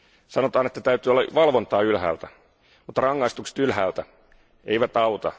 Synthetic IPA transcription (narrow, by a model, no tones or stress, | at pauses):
sɑno̞t̪ɑːne̞t̪ːæt̪æyt̪ˑyːolːɑʋɑlʋo̞nt̪ɑːylɦæ̰ːlt̪æ | mut̪ːɑrɑŋːɑist̪ukse̥t̪ylɦæːlt̪æ | eijʋæt̪ɑut̪ɑ̰